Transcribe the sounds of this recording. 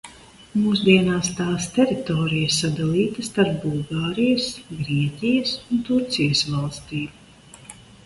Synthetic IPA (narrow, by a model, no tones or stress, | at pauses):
muːsd̪iɛnaːst̪aːst̪ɛɾit̪ɔːɾijəsad̪alˠiːt̪ɐst̪aɾpbulˠɡaːɾijɐsɡɾiɛcʲijɐsunt̪uɾt̪sijəsvalˠst̪iː